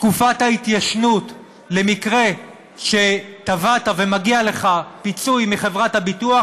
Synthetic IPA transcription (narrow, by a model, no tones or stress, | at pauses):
tkufathait̪jaʃnut | le̞mikʁe̞ | ʃe̞t̪avatave̞maɡiale̞χapit͡sujmiχe̞vʁathabitua